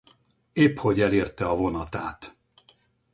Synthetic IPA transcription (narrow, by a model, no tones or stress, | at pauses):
eːpho̞ɟɛleːrt̪ɛɒvo̞nɒt̪aːt̪